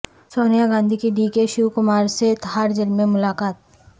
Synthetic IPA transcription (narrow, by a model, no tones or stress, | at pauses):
soːnijaɡãːnd̪ʱikiɖiːkeʃiwkʊmaːɾset̪ɦaːɾd͡ʒɪlmẽmʊlaːkaːt̪̚